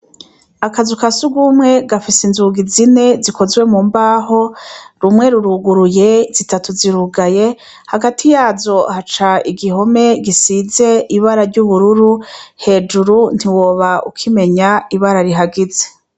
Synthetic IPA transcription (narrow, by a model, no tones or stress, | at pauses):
akazukasuɡumŋe̞ɡafisinzuɡizine̞zikʰo̞zɡwe̞muːmbaːɦo̞ɾumŋe̞ɾuɾuɡuɾuje̞z̥itatuziɾuɡaje̞ | haɡatʰijaːzo̞hat͡ʃaiɡiɦo̞me̞ɡisize̞ʔiβaɾaɾɟuβuɾuɾuhe̞ːd͡ʒuɾun̥iwoːβaukʰime̞ɲaiβaɾaɾiɦaɡize̥